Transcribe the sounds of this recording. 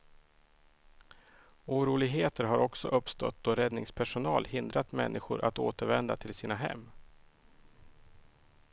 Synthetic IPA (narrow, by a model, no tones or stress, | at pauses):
uːɾuːlɪɡɦeːt̪əɾɦaɾɔksɔʔɵpst̪ɔ̰t̪̚d̪̥ɔɾɛd̪nɪŋspʰæʂʊnɑːlhɪnd̪ɾat̪mɛ̰nːʔɪɧʊɾʔat̪o̰ːt̪əɾvɛnd̪a̰t̪ʰɪlsiːnaɦɛ̰mː